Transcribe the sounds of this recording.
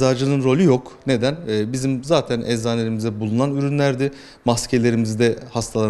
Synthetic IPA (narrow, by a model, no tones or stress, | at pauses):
aːɾd͡ʒɯlˠɯɯnɾo̞lʲyjo̞kne̞d̪ænɛbizimzaːt̪ʰænʔɛzzaːnlʲe̞ɾimizd̪ɛbulˠunanyɾynlʲæɾd̪ɪ | mascʰe̞lʲe̞ɾimizd̪ɛhast̪ʰalˠa